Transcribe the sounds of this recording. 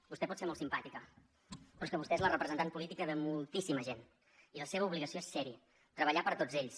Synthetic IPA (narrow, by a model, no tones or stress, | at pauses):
bust̪ɛpɔt̪seɾmolˠtsimpat̪ikə | pɾɔskəβust̪ɛezlərəpɾəzənt̪anpulit̪ikəðəmulˠt̪isiməʒen | iləseβəuβliɣəsioesːɛɾiə | t̪ɾəβəʎapəɾt̪od͡zeʎs